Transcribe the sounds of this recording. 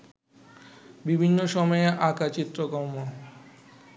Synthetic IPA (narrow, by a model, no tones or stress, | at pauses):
bibʱinːoʃɔmɔeʔakat͡ɕit̪ːɾokɔmːo